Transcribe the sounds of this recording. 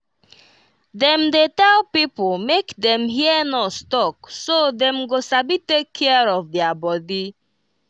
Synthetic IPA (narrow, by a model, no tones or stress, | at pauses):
dɛm̩detɛlpipol̩mekdɛm̩ɦiənɔstɔk̚sodɛm̩ɡosabitekʰːɛəɾɔfdiabɔdi